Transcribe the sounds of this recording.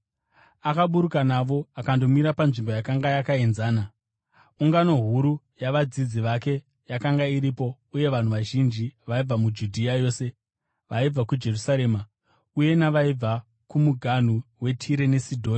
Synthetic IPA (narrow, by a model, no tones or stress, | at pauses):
akaɓuɾukanaʋo̞akando̞miɾapanʐimbo̞jakaŋɡajakaenzaːna | uŋɡano̞ɦuɾu | jaʋad͡zid͡ziʋake̞ | jakaŋɡaiɾipo̞ | uje̞ʋan̤uʋaʒind͡ʒiʋaib͡vamud͡ʒudʱiajo̞ːse̞ | ʋaib͡vakud͡ʒe̞rusaɾe̞ːma | uje̞naʋaib͡va | kumuɡʱan̤uwe̞tʰiɾe̞ne̞sidʱoːni